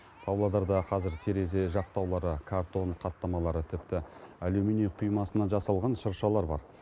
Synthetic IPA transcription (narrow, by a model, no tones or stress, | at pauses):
p̪ʰɑvlˠod̪ɑɾd̪ɑqʰɑzɪɾt̪ʰe̞ɾe̞z̬e̞ʒɑq̚t̪ɑwlˠɑɾəkʰaɾt̪o̞ɴqʰɑt̪ːɑmɑlˠɑɾət̪ʰɪp̚t̪ɪælumineqʰujmɑsənɑʒɑsɑlˠʁɑnʃəɾʃɑlˠɑɾbɑ̰ɾ